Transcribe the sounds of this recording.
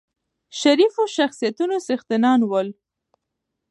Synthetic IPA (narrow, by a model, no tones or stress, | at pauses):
ʃaɾifoʃaxsijat̪unosɪxt̪ɪnɑnwəl